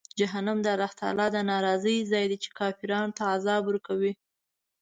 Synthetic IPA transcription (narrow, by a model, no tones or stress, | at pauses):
d͡ʒaɦanamd̪əɾaht̪ɑ̰lɑd̪ənɑɾɑzəjzɑjd̪et͡ʃe̥kɑfiɾɑnt̪aːzɑbuɾkawi